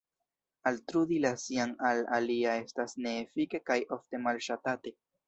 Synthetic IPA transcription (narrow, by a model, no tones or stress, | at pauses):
altɾudilasiaŋalaliae̞stasne̞ːfike̞kajofte̞malʃatate̞